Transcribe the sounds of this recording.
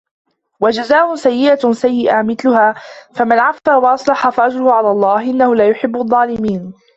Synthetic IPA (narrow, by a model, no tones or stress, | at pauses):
wad͡ʒazaːʔʊsajːɪʔasajːɪʔamɪθlʊɦaːfamanʕafːaːwɑʔɑsˤlɑħɑfaʔad͡ʒɾʊhʊʕalaːlˤːɑːhʔɪnːahʊlaːjʊħɪbːʊɑðˤːɑːlɪmiːn